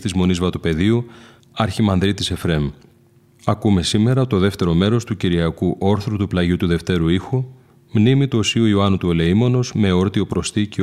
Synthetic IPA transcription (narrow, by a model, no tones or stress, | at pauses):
t̪izmo̞nizvɐt̪upe̞ðiu | ɐɾçimɐnðɾit̪ise̞fɾe̞m | ɐkume̞sime̞ɾɐt̪o̞ðe̞ft̪e̞ɾo̞me̞ɾo̞st̪uciɾiɐkuʔo̞ɾθɾut̪uplɐʝut̪uðe̞ft̪e̞ɾuixu | mnimit̪uo̞siuioɐnut̪ue̞le̞imo̞no̞zme̞o̞ɾt̪io̞pɾo̞st̪ici